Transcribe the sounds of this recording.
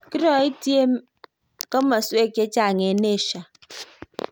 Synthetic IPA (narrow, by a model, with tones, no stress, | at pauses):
ki˦ɾɔ˨i˦ti˦e˦m | kɔ˦ma˨su˦e˦˨ke˦t͡ʃa˦˨ŋe˨ne˦˨ʃa˨